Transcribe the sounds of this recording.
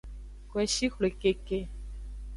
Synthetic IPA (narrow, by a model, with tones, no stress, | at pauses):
kwɛ˨ʃi˦xle˨ke˨ke˨